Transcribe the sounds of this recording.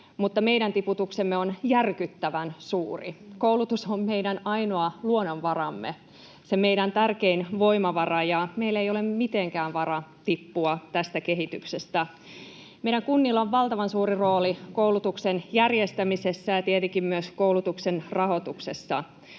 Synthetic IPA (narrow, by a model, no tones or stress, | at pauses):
mut̪ːɑme̞ijɾænt̪iput̪uksemːeonjærkyt̪ːæʋænsuːrikoulut̪usomme̞idænɑjnoɑluonːonʋɑrɑmːḛ | seme̞iɾænt̪ærke̞inʋo̞imɑʋɑrɑjɑmeilːejo̞lemmit̪eŋkæːnʋɑɾɑt̪ipːuɑt̪æst̪ækeɦit̪yksest̪æ | meiɾæŋkunːilːoʋʋɑlt̪ɑʋɑnsuːriro̞ːlikowlut̪uksenjærjest̪æmisesːæjɑt̪iet̪eŋkimmyøskoulut̪uksenrɑɦo̞t̪ukse̞sːɑ̰